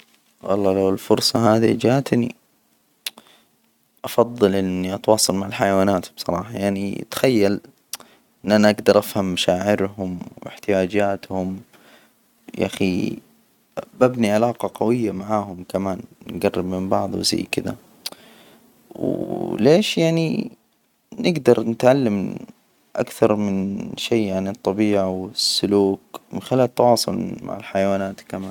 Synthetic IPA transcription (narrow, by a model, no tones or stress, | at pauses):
wɑ̰lˤːɑːlawɪlfʊɾˤsˤɑɦaːðḭd͡ʒaːʔt̪nḭ | ʔɑfɑðˤːɨlʔɪnːiʔɑt̪wɑːsˤɑlmaʕɪlħajawaːnaːt̪hʊbsˤɑɾˤɑ̰ːħɑjaʕnḭt̪xajːal | ʔɪnːʔanaʔaɡd̪ɑɾˤʔafhamːaʃaːʕɪɾɦʊmwɪ̰ħt̪ɪjaːd͡ʒaːt̪hʊm | ja̰xi | babniʕalaːqɑqɑwɪjːamaʕaːhʊmkamaːnnɡarːɪbmɪmbɑʕð̰ˤwza̰jːkɪd̪a̰ | wleːʃjaʕni | nɪɡd̪ɑɾˤnɪt̪ʕalːam | ʔa̰kθɑɾˤmɪnʃeːaanɨt̪ˤːɑbiːʕawɪsːʊluːkmɪ̰nxɪlaːlt̪ːɑwɑːsˤʊ̰lma̰ʕɪlħajawaːnaːt̪kamaːn